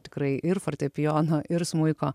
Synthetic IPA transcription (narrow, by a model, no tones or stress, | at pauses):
t̪ʲɪ̥kɾɐɪʔɪɾfɐɾʲt̪ʲɛpʲɪjoːnɐʔɪɾsmʊɪkoː